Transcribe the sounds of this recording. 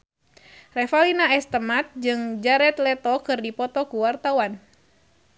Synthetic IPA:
rɛfalinaɛst̪əmat̪̚d͡ʒɨŋd͡ʒaɾɛt̪̚lɛt̪ɔkɨrdipɔt̪ɔkuwart̪awan

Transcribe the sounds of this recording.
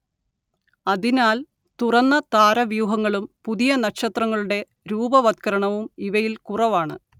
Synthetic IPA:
ɐðinaːl | t̪urɐnːɐt̪aːɾɐʋjuːɦɐŋːɐɭumpuðijɐnɐkɕɐt̪rɐŋːɐɭuɽe̞ | ɾuːbɐʋɐt̪̚kɐɾɐɳɐʋumiʋɐjilkurɐʋaːɳɨ̰

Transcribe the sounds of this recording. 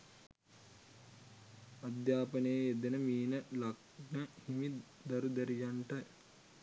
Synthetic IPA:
ad̪jaːpənejəed̪enəmiːnəlak̚ | nəhimi | d̪aɾud̪əɾijaɳʈə

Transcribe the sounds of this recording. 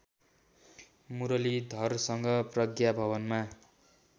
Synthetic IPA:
muɾʌlid̪ʱʌrsʌŋɡʌprʌɡjabʱʌβʌnma

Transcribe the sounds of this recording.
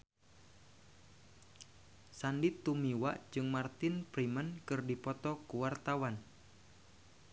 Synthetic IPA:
sandit̪ːumiwaʔd͡ʒɨŋmart̪ɪnpɾimənkɨrdipɔt̪ɔkuwart̪awan

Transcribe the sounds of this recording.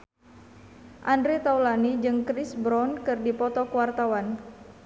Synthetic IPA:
ʔandɾit̪awlanid͡ʒɨŋkɾisbɾɔnkɨrdipɔt̪ɔkəwart̪awan

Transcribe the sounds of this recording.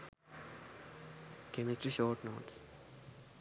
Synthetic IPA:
kʰɛmɪsʈɹiʃɔːʈnots

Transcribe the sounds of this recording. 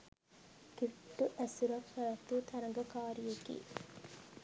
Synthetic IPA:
kifʈːuʔæsuɾɐkːɐɐt̪uːt̪ʰɐɾɐŋɡɐkaːɾijekḭː

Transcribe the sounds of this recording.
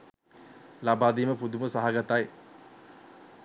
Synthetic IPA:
labaːd̪iːməpud̪uməsaɦaɡat̪aj

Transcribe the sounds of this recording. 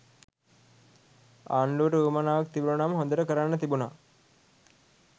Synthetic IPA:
a̰ːɳɖuʋəɾəuːmanaːʋak̚t̪ibilunaːməɦond̪əɾəkəɾanːət̪ibuna

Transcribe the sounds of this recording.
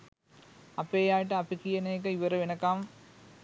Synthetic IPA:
ɐpːeːjaːʈ̬ːɐɐpːikːijɐneːk̬ːɐiʋɐɾɐʋɪnɐkːaːm

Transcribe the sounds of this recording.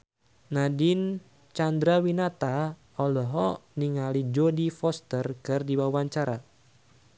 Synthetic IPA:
nadin | t͡ʃand̪ɾawinat̪a | ɔlɔɦɔniŋalid͡ʒɔdifɔst̪ərkɨrdiwawaɲt͡ʃaɾa

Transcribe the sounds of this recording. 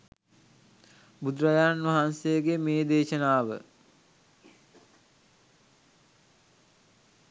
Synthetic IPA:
bud̪ɾɐjaːnʋaɦansejəɡemeːd̪eːʃənaːʋə̰

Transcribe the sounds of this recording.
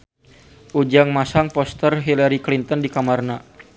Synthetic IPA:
ʔud͡ʒaŋmasaŋpɔst̪ərɦilaɾiklint̪ɔndikamarna

